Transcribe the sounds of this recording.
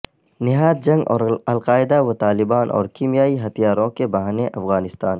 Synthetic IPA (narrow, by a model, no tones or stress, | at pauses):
nɪɦaːd̪̚d͡ʒɐ̃ŋɡɔ̰ːɾɐlqaːɪd̪awot̪aːlɪbaːnʔɔ̰ːɾkimjaːiɦɐt̪ijaːɾõkebɐɦaːneʔɐfɣaːnɪst̪aːn